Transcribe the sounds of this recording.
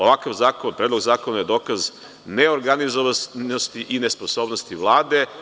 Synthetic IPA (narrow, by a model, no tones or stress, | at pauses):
oʋakaʋzaːkonpɾed̪lozaːkonajed̪o̞ːkaz | neo̞ɾɡanizoʋanost̪iʔinesposo̞ːbnost̪iʋlˠaːd̪e̞